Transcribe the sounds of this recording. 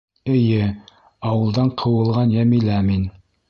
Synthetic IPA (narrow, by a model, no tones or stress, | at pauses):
ɘ̆jɘ | ɑwɤ̆lˠd̪ɑɴqʰɤ̆wɤ̆lˠʁɑnjæmilæmin